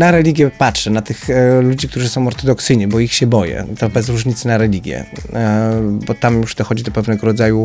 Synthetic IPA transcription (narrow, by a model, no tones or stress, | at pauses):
naɾɛlʲiɡʲjɛpatʂɛnat̪ɘxlud͡ʑikt̪uʐɨsɔ̃w̃ɔɾt̪ɔd̪ɔksɘjɲɛbɔixɕɛbɔjɛ̰t̪ɔbɛzɾuʐɲit̪snaɾɛlʲiɡʲjɛ̰ | bɔt̪amjuʐd̪ɔxɔd͡ʑid̪ɔpɛvnɛɡɔɾɔd̪zaju